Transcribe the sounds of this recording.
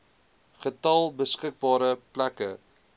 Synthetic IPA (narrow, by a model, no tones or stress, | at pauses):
χətɐlˠbəskək̚bɑːɾəplækə